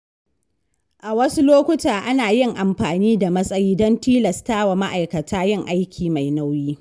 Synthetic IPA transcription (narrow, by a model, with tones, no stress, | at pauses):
ʔa˨wɐ˦su˦loː˦kʷʊ˦taː˨ʔa˦naː˨jɪ˦˨ŋʔa˨mɸaː˨niː˦da˨mɐ˦sʼɐ˦jiː˦dɔ˦ntiː˦lɐ˨staː˦wa˨ma˦ʔa˨jkɐ˨tʰaː˦jɪ˦ŋʔa˦jkʲʰiː˨ma˨jna˦wjiː˦